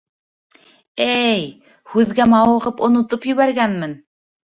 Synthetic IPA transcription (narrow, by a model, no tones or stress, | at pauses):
æj | hʉðɡæmɑwɤ̆ʁɤpŏnŏt̪opjɵ̆βæɾɡænmɘn